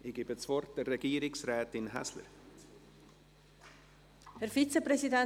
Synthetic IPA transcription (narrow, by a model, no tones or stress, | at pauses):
ɪɡibət͡svɔɾt̚d̥ɛrːɛɡ̥iːəɾɪksɾɛːtɪnɦɛ̰slə̰ɾ | hɛɾfit͡səpɾɛsidɛ